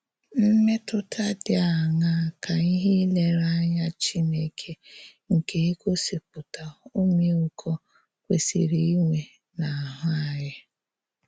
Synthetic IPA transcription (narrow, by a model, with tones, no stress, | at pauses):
m̩˦me˦tʊ˦tʰa˦dɪ˦a˨ŋa˦˨ka˨i˦ɦi˦le˨ɾa˦ɲa˦t͡ʃi˦ne˦kʰe˦ŋ̩˨ke˨e˦ko˦si˨k͡p̚ʊ˨ta˨o˦me˦ʊ˨kʰɔ˦ | kʷe˨sḭ˨ɾi˨i˦ŋʷe˨ | na˨a˨ɦʊ˦a˨jɪ˦